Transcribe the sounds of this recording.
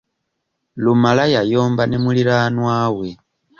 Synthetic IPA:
lumalajajoːmbanemuliɾanwaːwe

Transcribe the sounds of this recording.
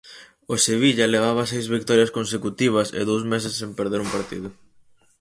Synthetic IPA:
oseβ̞iʎɐleɣ̞aβ̞ɐsejzβikt̪ɔɾjɐskonsekut̪iβ̞ɐsḛðowsmesesːempeɾðeɾumpaɾt̪ḭðʊ

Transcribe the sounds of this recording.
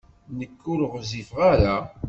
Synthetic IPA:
nəkːʊlʁzifʁaɾa

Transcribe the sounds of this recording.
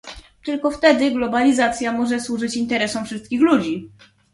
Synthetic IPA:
t̪ɘlkɔft̪ɛd̪ɘɡlɔbalʲizat̪sʲjamɔʐɛswuʐɘt͡ɕint̪ɛɾɛsɔ̃wfʂɘst̪̚kʲixlud͡ʑi

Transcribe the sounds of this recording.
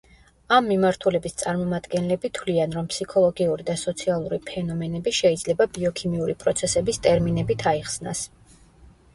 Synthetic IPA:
amːimaɾt̪ʰulɛbist̪sʼaɾmɔmad̪ɡɛnlɛbit̪ʰwlianɾɔmpʰsikʰɔlˠɔɡiuɾid̪asɔt̪sʰialˠuɾipʰɛnɔmɛnɛbiʃɛid̪zlɛbabiɔkʰimiuɾipʼɾɔt̪sʰɛsɛbist̪ʼɛɾminɛbit̪ʰaiχsnas

